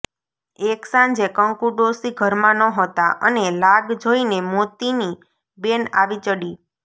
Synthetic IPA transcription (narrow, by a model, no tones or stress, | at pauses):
eksãɲd͡ʒekəŋkuɖosiɡʱəɾmãnəɦət̪aʔənelaɡd͡ʒoinemot̪ini | bena̰ʋit͡ʃəɽi